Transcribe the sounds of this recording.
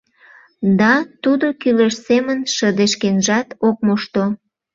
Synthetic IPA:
d̪ɑt̪ud̪okyleʃsemənʃəd̪eʃkenʒɑt̪ok̚moʃt̪o

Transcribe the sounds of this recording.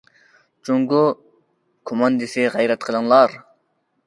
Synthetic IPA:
d͡ʒoŋɡu | kʰomɑnd̪ɪsɪʁɛjɾɛt̪̚qʰəlˠɨŋlˠɑɾ

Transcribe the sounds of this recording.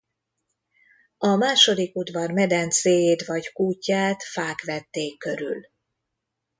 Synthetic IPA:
ɒmaːʃo̞d̪ikud̪vɒrmɛd̪ɛnt̪seːjeːt̪ʋɒɟkuːcːaːt̪faːkʋɛt̪ːeːkːø̞ɾy̰l

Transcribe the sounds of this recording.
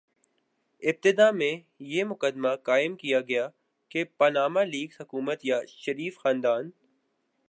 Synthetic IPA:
ɪb̚t̪ɪd̪amẽ | jemʊkəd̪makaːɪmkijaɡɐja | kepɐnaːmaliːɡshʊkuːmət̪jaʃɐɾiːfxãːnd̪aːn

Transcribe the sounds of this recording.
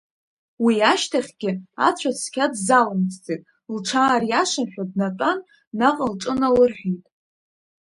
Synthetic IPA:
wiaʃtʰaχʲɡ̥ʲɪa̰t͡ɕʷʰasʰkʲʰadzalɨmt͡sʰt͡sʼetʼ | lʈ͡ʂʰaːrjaʂamħʷᶣadnatʼanː | aqʼəlʈ͡ʂʼɨnalɨrħᶣitʼ

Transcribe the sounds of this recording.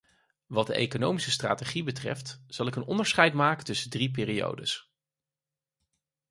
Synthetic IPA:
ʋɑt̚dəʔḛjkonowmisəstra̰ːteχibətrɛ̰ftz̥ɑlˠɪkənɔ̰ndəɹsχɛjtmaːkəntɵsədrip̬ɪːrio̰wdəs

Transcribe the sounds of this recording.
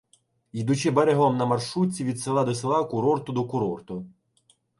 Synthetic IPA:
id̪ʊt͡ʃɪbeɾeɦɔmnɐmɐrʃut͡sʲːiʋʲid̪selˠɑd̪ɔselˠɑkʊɾɔrt̪ʊd̪ɔkʊɾɔrt̪ʊ

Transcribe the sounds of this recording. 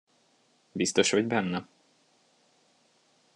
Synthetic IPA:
bist̪oʃhoɟbɛnːɛ

